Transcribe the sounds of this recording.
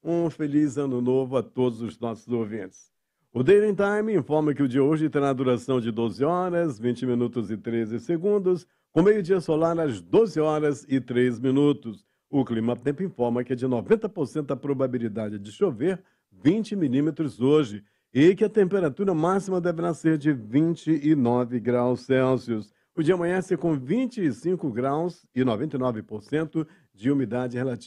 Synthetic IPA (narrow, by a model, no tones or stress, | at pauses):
ũfelizɐ̃nʊnovʊɐt̪od̪ʊzʊznɔsʊzowvĩt͡ʃɪ̥s | ʊd̪ejnĩt̪aj̃mĩfɔɾmɐkɪʊd͡ʒiɐoʒɪt̪eɾad̪uɾasɐ̃w̃d͡ʒɪd̪ozɪɔɾɐzvĩt͡ʃɪminut̪ʊzɪt̪ɾezɪseɡũnd̪ʊs | kõmejʊd͡ʒiɐsolaɾɐzd̪ozɪɔɾɐzɪt̪ɾezmĩnut̪ʊs | ʊklĩmɐt̪ẽmpʊĩfɔɾmɐkɪɛd͡ʒɪnovẽnt̪ɐpoɾsẽnt̪ʊɐpɾobabilid̪ad͡ʒɪd͡ʒɪʃoveɾ | vĩt͡ʃɪmilĩmet̪ɾʊzoʒɪ | ɪkɪɐt̪ẽmpeɾat̪uɾɐmasimɐd̪ɛveɾaseɾd͡ʒɪvĩt͡ʃɪɪnɔvɪɡɾawsɛwsiʊs | ʊd͡ʒiɐɐmɐ̃ɲɐ̃seɾkõvĩt͡ʃɪːsĩŋkʊɡɾaws | ɪnovẽnt̪ɐĩnɔvɪpoɾsẽnt̪ʊ | d͡ʒɪumid̪ad͡ʒɪhelat͡ʃi